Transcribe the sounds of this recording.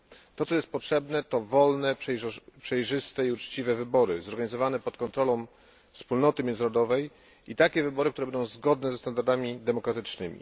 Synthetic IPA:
t̪ɔtsɔjɛst̪̚pɔtʂɛbnɛt̪ɔvɔlnɛpʂɛjʐɘst̪ɛiut͡ʂt͡ɕivɛvɘbɔɾɘzɔɾɡaɲizɔvanɛpɔt̪kɔnt̪ɾɔlɔ̃w̃ | fspulnɔt̪ɘmʲjɛnzɾɔd̪ɔvɛj | it̪akʲɛvɘbɔɾɘkt̪uɾɛbɛnd̪ɔ̃w̃zɡɔd̪nɛzɛst̪and̪aɾd̪amʲid̪ɛmɔkɾat̪ɘt͡ʂnɘmʲḭ

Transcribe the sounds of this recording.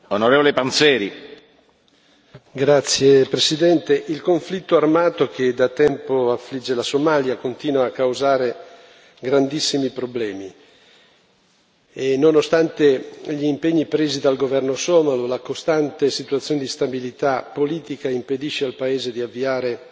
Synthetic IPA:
onoɾeːvolepant̪sɛːɾi | ɡɾat̪sːjepɾesid̪ɛnt̪eʔilkoɱflit̪ːoarmaːt̪ok̟ed̪at̪ɛmpoafːlid͡ʒːelasomaljakont̪iːnwaːkːawzaːɾe | ɡɾand̪isːimipɾoblɛːmi | enonost̪ant̪eʎiːmpeɲːipɾeːzid̪alɡovɛrnosɔːmalolakost̪ant̪esit̪uat̪sjoːned̪ist̪abilit̪apːoliːt̪ikaimped̪iʃːealpaeːzed̪iavːiaːɾe

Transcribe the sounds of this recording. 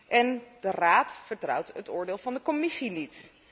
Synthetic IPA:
ʔɛnd̥əraːtfəɹtrʌ̰wtətʊːɹdɪːlˠvɑndəkɔmɪsinit

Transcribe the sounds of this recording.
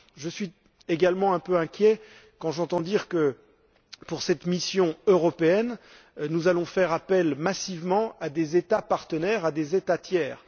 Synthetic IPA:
ʒəsɥi | eɡalmɑ̃ɛ̃pøɛ̃kʲjɛ | kɑ̃ʒɑ̃t̪ɑ̃d̪iʁkə | puʁsɛt̪misjɔ̃øʁɔpeɛn | nuzalɔ̃fɛʁapɛlmasivmɑ̃ad̪ezet̪apaʁt̪ənɛʁad̪ezet̪at̪jɛːʁ

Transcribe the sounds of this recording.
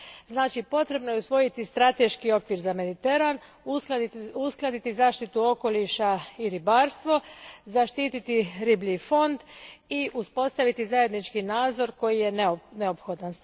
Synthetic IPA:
znaːt͡ʃipo̞t̪ɾe̞bno̞jeusʋo̞jit̪ist̪ɾat̪e̞ʃkio̞kʋiːɾzame̞d̪it̪e̞ɾan | usklˠad̪it̪izaːʃt̪it̪uo̞ko̞liʃaiɾibaːɾst̪ʋo̞zaʃt̪iːt̪it̪iɾiblifo̞nd̪iʔuspo̞st̪aʋit̪izaje̞d̪nit͡ʃkinaːd̪zo̞ɾko̞jijenneopxo̞d̪ans

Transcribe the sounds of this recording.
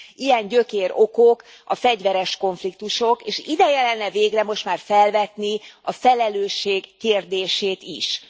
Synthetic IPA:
ʔijɛɲɟøkeːɾo̞kok | ɒfɛɟʋɛɾɛʃko̞ɱflik̚t̪uʃo̞keːʃid̪ɛjɛlɛnːɛveːɡrɛmo̞ʃt̪maːrfɛlvɛt̪niɒfɛlɛløːʃːeːɡːeːrd̪eːʃeːt̪ḭʃ

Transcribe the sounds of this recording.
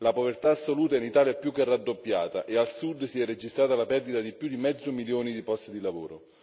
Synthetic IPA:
lapovert̪aːsːoluːt̪ainit̪aːljapjukːerad̪ːopːja̰ːt̪aʔealsud̪ːsiɛrːed͡ʒist̪ɾaːt̪alapɛrd̪it̪ad̪ipjud̪imɛd̪zːomiljoːnid̪ipɔst̪d̪ilavoːɾo

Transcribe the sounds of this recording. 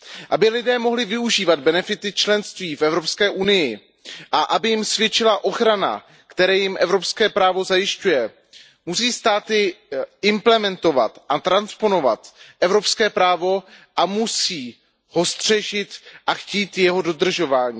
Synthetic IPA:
ʔabɪlɪdɛːmo̞ɦlɪvɪuʒiːvad̪̚bɛnɛfɪt̪ɪt͡ʃlɛnst̪viːfɛvɾo̞pskɛːʔunɪjɪ | ʔaʔabɪjɪmsvjɛt͡ʃɪlaʔo̞xɾana̰ | kt̪ɛɾɛːjɪmʔɛvɾo̞pskɛːpɾaːvo̞zajɪscujɛ | musiːst̪aːt̪ɪɪmplɛmɛnt̪o̞va̰t̪ʔat̪ɾanspo̞no̞va̰t̪ʔɛvɾo̞pskɛːpɾaːvo̞ | ʔamusiː | ho̞st̪r̥ɛʒɪt̪ʔaxciːt̪jɛɦo̞do̞d̪r̩ʒo̞vaːɲiː

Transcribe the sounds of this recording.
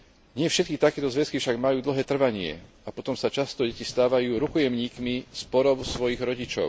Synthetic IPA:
ɲɪɛfʃɛt̪̚kit̪akɛːt̪ɔzʋɛskifʃaɡmajuːd̪l̩ɦɛːt̪r̩ʋaɲɪɛ̰ | apɔt̪ɔmsat͡ʃast̪ɔɟɛcist̪aːʋajuːɾukɔjɛmɲiːkmispɔɾɔʊsʋɔjiɣɾɔɟit͡ʃɔ̰ʊ

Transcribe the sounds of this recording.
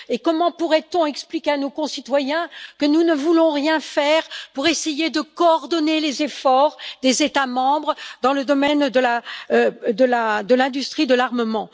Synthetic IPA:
ekɔmɑ̃puʁɛt̪ɔ̃ɛksplikʲeanokɔ̃sit̪wajɛ̃kənunəvulɔ̃ʁjɛ̃fɛʁpuʁesejed̪əkɔːʁd̪ɔnelezefɔʁd̪ezet̪amɑ̃bʁəd̪ɑ̃ləd̪ɔmɛnd̪əla | d̪əlad̪əlɛ̃d̪yst̪χid̪əlaʁməmɑ̃

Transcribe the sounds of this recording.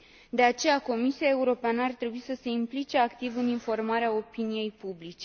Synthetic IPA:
d̪e̞at͡ʃe̞jako̞misiae̞uɾo̞peanəart̪ɾe̞buisəse̞implit͡ʃe̞akt̪ivɨninfo̞rmaɾeao̞pinije̞jpublit͡ʃe̞

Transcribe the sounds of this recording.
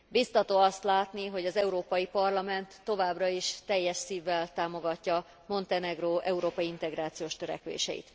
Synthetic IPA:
bist̪ɒt̪oːɒst̪laːt̪niɦo̞ɟɒzɛuɾoːpɒjipɒrlɒmɛnt̪ːo̞vaːbrɒiʃt̪ɛjːɛʃsiːvːɛlt̪aːmo̞ɡɒcːɒ | mo̞nt̪ɛnɛɡroːʔɛuɾoːpɒjiint̪ɛɡɾaːt̪sijoːʃt̪øɾɛ̰kʋḛːʃɛ̰jḭt̪

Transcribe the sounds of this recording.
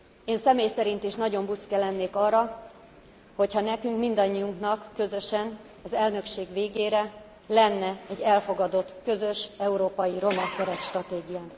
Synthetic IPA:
eːnsɛmeːjsɛɾint̪eːʃnɒɟo̞mbuskɛlɛnːeːkɒːrːɒ | ho̞chɒnɛkyŋkmind̪ɒɲːiuŋknɒkːø̞zø̞ʃɛn | ɒzɛlnø̞kʃeːɡveːɡeːɾɛ | lɛnːɛɛɟːɛlfo̞ɡɒd̪o̞t̪ːkø̞zø̞ʃɛuɾoːpɒjiɾo̞mɛkkːɛɾɛt̪ʃt̪rɒt̪eːɡijaːn

